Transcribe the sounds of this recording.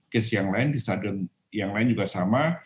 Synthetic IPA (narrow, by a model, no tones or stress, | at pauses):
kɛsijaŋlaɪndisadʊn | jaŋlaɪnd͡ʒuɡasama